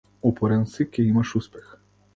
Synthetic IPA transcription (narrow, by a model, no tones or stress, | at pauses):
ɔpɔɾɛnsikʲɛimaʃuspɛx